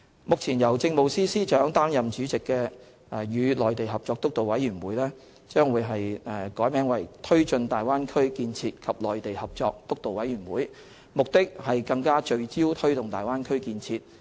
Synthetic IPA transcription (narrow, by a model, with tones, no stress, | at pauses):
mʊ˨k̚t͡sʰiː˨˩njɐ˨˩wt͡sɪ˧ŋmo˨wsiː˥siː˥t͡ʃœː˨˥ŋt̪aː˥njɐ˨mt͡ʃyː˨˥t͡sɪ˨kːɛː˧ | ɛ˨˧jyː˨˧lɔː˨˩jt̪e˨jɦɐ˨p̚t͡ʃɔː˧k̚t̪ʊ˥k̚t̪o˨˩wɐ˨˥jyː˨˩nwuː˨˥jlɛː˥ | t͡ʃœː˥ŋwuː˨˧jɦɐ˨jɛ˨˩kɔː˨˥jmɛː˨˥ŋwɐ˨˩jt̪ʰɵ˥ɥt͡ʃɵ˧nt̪aː˨jwaː˥nkʰɵ˥ɥkiː˧nt͡sʰiː˧t̚kʰɐ˨p̚lɔː˨jt̪e˨jhɐ˨p̚t͡sɔː˧k̚t̪ʊ˥k̚t̪o˨wɐ˨˥jyː˨˩nwuː˨˥j | mʊ˨k̚t̪ɪ˥k̚hɐ˨jkɐ˧ŋkaː˥t͡ʃɵ˧ɥt͡siː˥wt̪ʰɵ˥ɥt̪ʊ˨ŋt̪aː˨jwaː˥nkʰɵ˥ɥkiː˧nt͡sʰiː˧t̚